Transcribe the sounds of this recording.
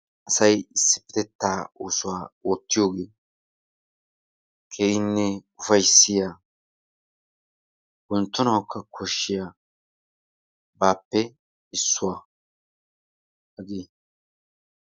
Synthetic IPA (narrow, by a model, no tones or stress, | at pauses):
ʔɐsɐjɪsːɪ̥pɪt̪ɛt̪ːaːuːsʊwaːwɔːt̪ːɪjo̞ːɡeː | kʰeːjɪnːɛʊfɐjsːɪjaː | ɡʊnt̪ːʊnɐwkʰːɐkʰɔʃːɪjaː | baːpːɛ | ɪsːʊwaː | hɐɡeː